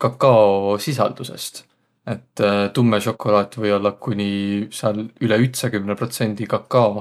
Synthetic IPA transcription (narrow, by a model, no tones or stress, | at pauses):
kɑkːɑosis̬ɑ̰ld̪use̞̰st̪ | e̞t̪ːt̪umːeʃo̞kːˑo̞lɑːt̪ʲːˑvɤjo̞lːɑkunʲiseɑlyleyt̪sɑkymnepro̞t̪se̞nʲd̪̥ikɑkːɑo